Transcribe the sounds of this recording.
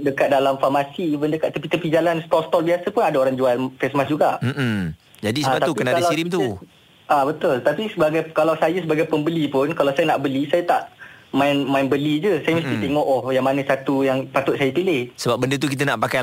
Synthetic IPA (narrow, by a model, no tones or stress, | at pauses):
dəkat̪̚dalamfamasibəndəkat̪ːəkit̪əpid͡ʒalanst̪ɔlst̪ɔlbiasəpʊnadaoɾaŋd͡ʒualfɛsmasd͡ʒuɡaʔm̩ | d͡ʒadisaəat̪aukkənaadaliɾɪkmt̪u | ʔabət̪ʊlt̪apisəbaɡajkalawsajəsəbaɡajpəmbəlipʊnkalawsajənaʔbəlisajat̪aʔmaɪnmaɪnbəlid͡ʒəsajəməst̪it̪eŋɔʔɔhjaŋmanəsat̪ujaŋpat̪ʊt̪̚sajəpilɪhsəbap̚bəndət̪uk̬it̪̬ənaʔpaka